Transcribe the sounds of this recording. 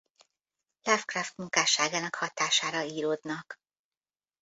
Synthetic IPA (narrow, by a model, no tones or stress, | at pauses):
lafkraft̪muŋkaːʃaːɡaːnɒkhɒt̪aːʃaːɾɒiːɾoːd̪nɒk